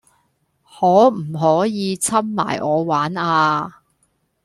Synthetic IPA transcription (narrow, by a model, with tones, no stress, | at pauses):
hɔː˨˥m̩˨˩ɦɔː˨˥jiː˨˧t͡sʰɐ˥mma̰ː˨˩jʔɔː˨˧waː˨˥naː˧